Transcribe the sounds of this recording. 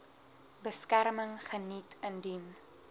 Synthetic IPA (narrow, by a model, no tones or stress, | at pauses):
bəskærməŋχənitʰəndin